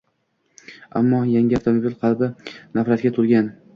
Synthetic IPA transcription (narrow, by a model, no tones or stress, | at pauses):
a̰mːɒjaŋɡʲɪaft̪ʰomobilqʰɑlˠbɪnafɾat̪̚ɡʲat̪ʰʊɾɡʲan